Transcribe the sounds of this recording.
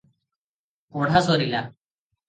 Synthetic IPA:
koɽʱasɔɾila

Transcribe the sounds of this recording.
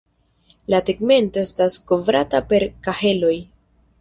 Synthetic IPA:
lapeɡme̞nto̞e̞stasko̞vɾatape̞ɾkahe̞lo̞j

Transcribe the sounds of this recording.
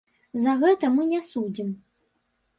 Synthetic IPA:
zɐɣɛt̪ɐmɨnʲɛsud͡zʲim

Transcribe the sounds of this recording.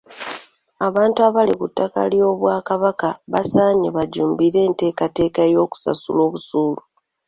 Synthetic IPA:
aβaːntuaβalikutːaka̰ljo̞ːβwaːkaβakaβasaːɲeβaɟuːmbiɾe̞ːnte̞ːkate̞ːkaejo̞ːku̥sa̰sṵlo̞ːβusuːlu

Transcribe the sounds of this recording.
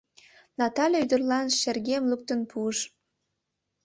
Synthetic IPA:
nɑt̪ɑlʲeyd̪ərlɑnʃerɣemluk̚t̪ənpʰuəʃ

